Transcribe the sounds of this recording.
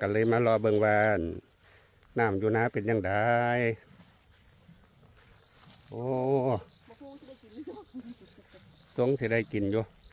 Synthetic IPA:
ka˧lɤː˧˥˨jmaː˧˥lɔː˧˩bɤ˧˨ŋwaː˧a˨˩˨n | naː˧˩˨mjuː˧naː˧˥˨pe˨nɲaː˧˥ŋda˨˧j | ʔoː˧˦˧ | so˧˥˨ŋsi˧˦da˥˩jki˨njuː˧˨

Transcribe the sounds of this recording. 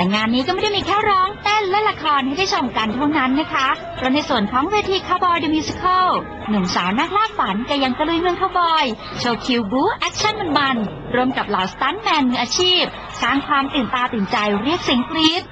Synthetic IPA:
la˨˩ŋaː˧nːiː˦˥kɔ˥m˥˩da˥˩jmiː˧kʰɛː˥˩wɾɔː˦˥ŋt̪e˥˩nlɛ˦˥la˧kʰɔː˧nha˥˩jdaː˥˩jt͡ɕʰo˧mka˧nt̪ʰa˥˩wna˦˥nːa˦˥kʰa˦˥ | pʰɾɔ˦˥na˧jsu˨˩ənkʰɔː˨˦ŋweː˧t̪ʰiː˧kʰaː˧˩wbɔː˧jde˧mi˧si˧kʰɤː˥˩w | nu˨˩ŋsaː˩˦wna˥˩k̚laː˥˩p̚fa˩˦nka˧˩ja˧ŋka˧lu˧˥˩jmɯ˧əŋkʰaː˧˥˩wbɔː˧j | t͡ɕʰoː˧wkʰi˧wbuː˦˥ʔɛ˦˥k̚t͡ɕʰa˥˩nmu˧nma˧n | ɾu˧əmka˨˩p̚laː˨˦wst̪aː˦˥nmɛː˧nːɯ˨˩ŋʔaː˧t͡ɕʰiː˥˩p̚ | saː˧ŋkʰwaː˧mt̪ɯː˨˩nt̪aː˧t̪ɯː˨˩nt͡ɕa˧jɾi˥˩ək̚si˨˩˦ŋkliː˦˥t̪̚

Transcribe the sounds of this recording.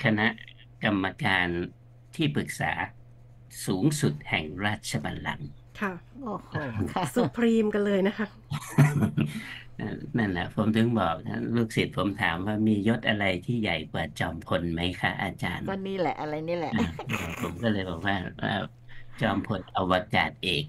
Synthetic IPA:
kʰa˧na˦˥ʔ | ka˧mːa˧kaː˧n | t̪ʰiː˥˩pɯ˨˩k̚sa̰ː˩˦ | suː˩˦ŋsu˨˩t̪̚hɛ˨˩ŋɾaː˥˩t̪̚t͡ɕʰa˧baː˧nla̰˨˦ŋkʰa˥˩ʔoː˨˧˩hsu˨˩pʰɾiː˧mka˧nlɤː˧jna˦˥kʰa˦˥ | a˧˩na˥˩nʔa˨˩pʰo˩˦mt̪ʰɯ˩˦ŋbɔː˨˩k̚t̪ʰa̰˥˩luː˥˩k̚si˨˩t̪̚pʰo˨˩˦mt̪ʰaː˩˦mwaː˥˩miː˧jo˦˥t̪̚ʔa˧ɾa˧jt̪ʰiː˥˩ja˨˩jkwaː˨˩t͡ɕɔː˧mpʰo˧nma˦˥jkʰa˦˥ʔa˧t͡ɕaː˧n˧niː˦˥˩lɛ˨˩ʔa˧ɾa˧jniː˦˥lɛ˨ʔɔː˧˩pʰo˩˦mkɔː˥˩lɤː˧jbɔː˨˩k̚waː˥˩ʔa̰ː˧˩ | t͡ɕɔː˧mpʰo˧nʔa˧wa˧ka̰ː˨˩t̪̚ʔeː˨˩k̚

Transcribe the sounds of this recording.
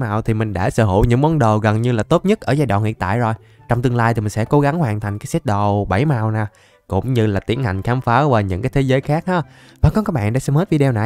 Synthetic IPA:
maː˨˩wt̪ʰi˨˩mï˨˩ŋ̟ɗa̰ː˧˥səː˧˦ɦo̰˧˩ɲɨ̰˧˥ŋmɔ˨˦nɗo˨˩ɣə˨˩nɲɨ˧laː˨˩t̪o˦˥t̚ɲə˦˥t̚ʔəː˧˩zaː˧jɗwa̰˧˨nŋḭ˧˨ə˨nt̪a̰ː˧˨jzo˨˩j | t͡ɕɔ˧wŋ͡mt̪ɨ˧əŋlaː˧j̪ʰi˨˩mï˨˩ŋsɛ̰˧˥ko˨˦ɣa˨˦ŋhwaː˨˩nt̪ʰa˨˩jŋ̟kaː˨˦jsɛ˦˥t̚ɗo˨˩ɓa˧˩jmaː˨˩wnaː˨˩ | kʊ̰˧˥ŋ͡mɲɨ˧laː˨˩t̪i˨˦ənha˨˩jŋ̟xaː˧mfaː˨˦vaː˨˩ɲɨ̰˧˥ŋkaː˨˦jt̪ʰe˨˦zəː˨˦jxaː˦˥k̚ʔaː˨˦ | vaː˨˩kɔ˨˦kaː˨˦˥k̚ɓa̰ː˧˨nɗa̰ː˧˥sɛ˧˥mhəː˦˥t̚vi˧ɗwna˨˩j

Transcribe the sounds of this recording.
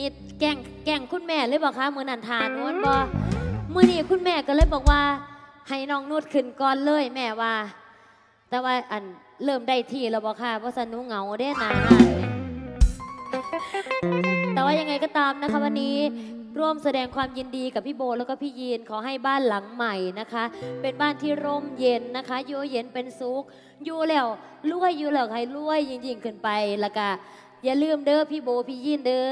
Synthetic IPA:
ni˧ | kɛ˧˩ŋ | kɛ˧˩ŋkʰu˧˥˨nmɛː˧˩lɤː˧˥˨bɔː˧˩kʰaː˧˥˨mɯ˧˦nʔa˧˩nt̪ʰaː˨˧˩nŋu˧˥˨ə˨nbɔː˧˦mɯ˧˨niː˧˩kʰu˧˥˨nmɛː˧˩kɔ˧lɤː˧˨jbɔː˨˩k̚waː˧ha˨˩jnɔː˧˩ŋnu˧˥˩t̪̚kʰɯ˧˩˨nkɔː˧˨nlɤː˧˥˨jmɛː˧˩waː˧ | t̪ɛː˨˧˦waː˧˩ʔa˨˩n | lɤː˧˩mda˧˩˨jt̪ʰiː˧˩lɛː˧˩bɔː˧˩kʰaː˧˩bɔː˧˦sa˧˦nuː˧˦˨ŋa˨˦wda˧˨˧naː˨˩haː˧˩l | t̪ɛː˨˩waː˧˥˨ja˧ŋːa˧jkɔ˧˩t̪aː˧mna˧˦˥kʰa˦˥wa˧nːiː˦˥ | ɾuː˧˥˩əmsa˧dɛː˧ŋkʰwaː˧mji˧ndiː˧ka˨˩pʰːiː˧˥˩boː˧lɛː˧˥˩wkɔː˧˩pʰiː˧˥˩jiː˧˩˨nkʰaː˨˦ɦa˧˩jbaː˥˩˨nla˨˩˦ŋma˨˩jna˦˧˥kʰa˦˥ʔpe˧nbaː˧˥˩nt̪ʰiː˧˩ɾo˧˥˩mje˨˦nːa˦˥kʰa˦˥juː˧je˨˦npe˧nsu˨˦k̚ | juː˧lɛː˧˩w | lu˧˥˩əjːuː˧lɛː˧˩˨kha˧˩jlu˧˥˩əjːɯ˧ŋji˧˩ŋkʰɯ˧˩npa˧jlɛ˧˩ka˧˩ | jaː˧˨lɯː˧˥˩mdɤː˧˩˨pʰiː˧˩boː˧pʰiː˧˨jiː˧˩˨ndɤː˧˨

